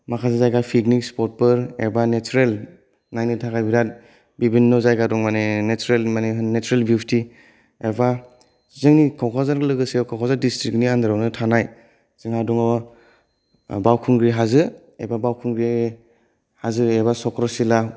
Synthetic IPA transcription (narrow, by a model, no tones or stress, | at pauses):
makʰazazajɡapʰiknikspɔt̚pɯɾḛbanet͡ʃuɾel | najnitʰakajbiɾat̚ | bibinːɔzajɡadɔŋmanenet͡ʃuɾelmanenet͡ʃuɾelbipʰti | eba | zɯŋnikʰawkʰazaɾɡɯlɯɡɯsewkʰawkʰazaɾdistɾik̚niandɯɾawnɯtʰanaj | zɯŋadɔŋɔ | bawkʰuŋɡɾiɦazɯ | ebabawkʰuŋɡɾi | hazɯeβasɔkɾɔsila